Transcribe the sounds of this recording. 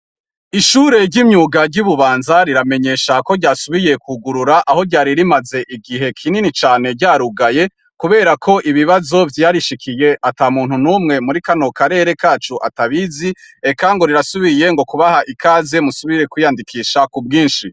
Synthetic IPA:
iʃuːɾe̞ɾɟimɲuːɡaɾɟuβuβaːnzaɾiɾame̞ɲe̞ːʃako̞ɟaːsuβije̞kʰuɡuɾuɾaʔaho̞ɟaːɾiɾimaze̞ʔiɡiɦe̞kʰininit͡ʃaːne̞ɾɟaːɾuɡaje̞ | kuβe̞ːɾakʰo̞ʔiβiβazo̞vjaːɾiʃikʰije̞ʔataːmuːn̥hunumŋe̞muɾikano̞kaɾe̞ɾe̞kaːt͡ʃuʔa̰taβizi | e̞kaŋɡo̞ɾiɾasuβije̞ŋɡo̞kuβahaʔikʰaːze̞musuβiɾe̞kwijandikʰiːʃakub̚ɡiːnʃi

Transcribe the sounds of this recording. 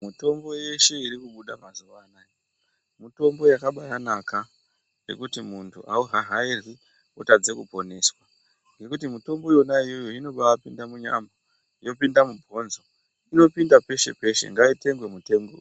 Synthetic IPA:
muto̞mbo̞je̞ʃe̞iɾikuɓuɗamazuʋaːnaji | mito̞mbo̞jakaɓaɾanaka | je̞̰kutimuntʰuʔa̰uɦaɦairi | otad͡zekupo̞ne̞ːswa | ŋɡe̞kutimito̞mbo̞jo̞naijo̞joino̞ɓaapindamuɲa̰mbo | ijo̞pindamubʱo̞nzo̞ | ino̞pindape̞ʃe̞̰pe̞ʃe̞̰ŋɡaite̞ŋɡwe̞mute̞ːŋɡo̰

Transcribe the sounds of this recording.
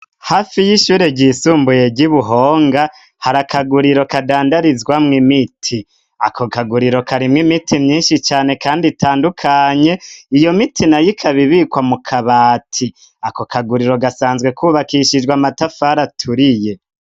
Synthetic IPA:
haːfijiʃuːɾeɟiːsuːmbuje̞ɟiβuɦo̞ːŋɡa | haɾakʰaɡuɾiɾo̞kadaːndaɾizɡwamŋimitʰi | akʰo̞kaɡuɾiɾo̞kʰaɾimŋimitʰimɲiːnʃit͡ʃaːne̞kʰaːnditʰaːndukʰaːɲe̞ijo̞mitʰinajikʰaβiβikwamukʰaβaːtʰi | ako̞kʰaɡuɾiɾo̞ɡasaːnzɡwe̞kʰuβakiʃid͡ʒɡwamatafaɾatʰuɾije̞

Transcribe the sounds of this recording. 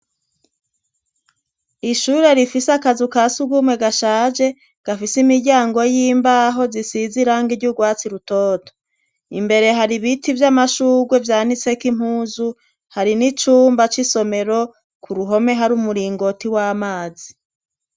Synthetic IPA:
iʃuɾe̞ɾifisakazukasuɡumwe̞ɡaʃaːd͡ʒe̞ | ɡ̥afisimiɾɟaːŋɡo̞jiːmbaɦo̞zisiziɾaŋɡiɾɟuɡwaːt͡siɾutoːto̥ | ḭmbe̞ɾe̞ɦaɾiβitivjamaʃuːɡwe̞vjaːnit͡se̞kim̥huːzu | haɾinit͡ʃuːmbat͡ʃiso̞me̞ɾo̞ | kʰuɾuɦo̞me̞ɦaɾumuɾiːŋɡo̞tiwaːmaːzi

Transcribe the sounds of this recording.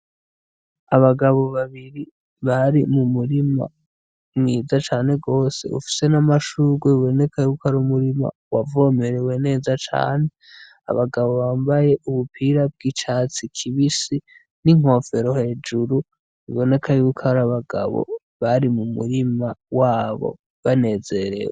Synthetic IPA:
aβaɡaβo̞βaβiɾi | βaɾimumuɾima̰ | mŋiːzat͡ʃaːne̞ɡo̞ːse̞̰ṵfi̥se̞namaʃuːɡweβiβo̞ne̞kʰajukaɾumuɾima̰ | wavo̞me̞ɾewe̞ne̞ːzat͡ʃa̰ːne | a̰βaɡaβo̞βaːmbaje̞ʔuβupʰiɾab̚ɡit͡ʃat͡sikʰiβisi | niŋ̥o̞fe̞ɾo̞he̞ːd͡ʒuɾu | βḭβo̞ne̞kʰajukʰaɾaβaɡa̰βo̰ | βaɾimumṵɾimawaːβo̰ | βane̞ze̞ɾḛwe

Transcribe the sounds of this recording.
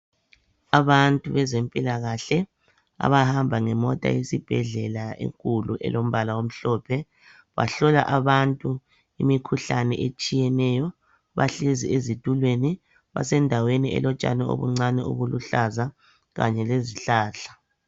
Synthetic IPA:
aβantʼuβɛzempʼilaɣaɬɛ | a̰βahambʱaŋɛmɔtʼa̰jisib̥ʱɛɮɛlaḛŋkʼuluʔɛ̰lom̩βalawom̩ɬɔːpʰɛ | βa̰ɬɔla̰ʔaβantʼu | imikʰuɬanɛ̰ʔet͡ʃʼijɛnɛjɔ | βaɬiziezid̥ʱulweni | βa̰sɛndʱaweniʔɛ̰lɔt͡ʃʼa̰nɛo̰βuŋ͡ǀanɛṵɣuluɬaza | ɣa̰ɲɛleziɬaːɬḁ

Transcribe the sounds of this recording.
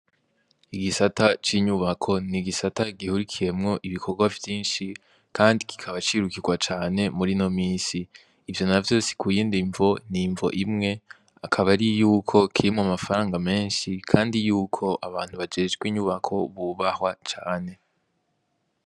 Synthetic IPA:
iɡisatat͡ʃiɲuβakʰo̞niɡisataɡihuɾikʰije̞mŋo̞ʔiβikʰo̞ɾɡwavjiːnʃi | kʰaːndiki̥kʰaβat͡ʃiɾukiɡwat͡ʃaːne̞muɾino̞miːsiː | vjo̞navjo̞ːsi̥kujiːndiɱvo̞niɱvo̞̰ʔimŋe̞ | akʰaβaɾijuːkʰo̞kʰiɾimŋoamafaɾaːŋɡame̞ːnʃikʰaːndijuːkʰo̞ʔaβaːn̥uβad͡ʒe̞ːd͡ʒɡwiɲuβakʰo̞βuβahwat͡ʃaːne̞

